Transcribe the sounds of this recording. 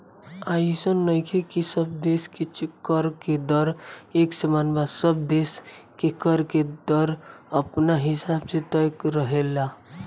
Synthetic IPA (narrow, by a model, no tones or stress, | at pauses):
ajisənːəjkʰekisəb̚d̪eːsket͡ʃkːəɾked̪ɔɾeːksəmanbasəb̚d̪eskekəɾked̪ɔɾəpnaɦɪsaːbset̪əjkɾəɦela